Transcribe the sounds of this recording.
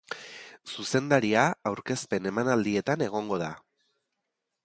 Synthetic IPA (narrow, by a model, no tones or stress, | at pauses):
suse̞nd̪aɾiaːwɾke̞spe̞ne̞manald̪ie̞t̪ane̞ɣ̞o̞ŋɡo̞ða